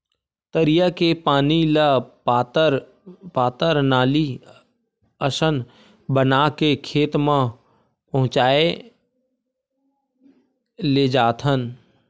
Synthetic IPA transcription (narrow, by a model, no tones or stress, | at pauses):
t̪əɾijəkepaːnilət̪əɾ | paːt̪əɾnaːli | əʃən | bənakekʰeːt̪mã | pɐɦʊ̃t͡ʃaːe | leːd͡ʒaːt̪ʰɦən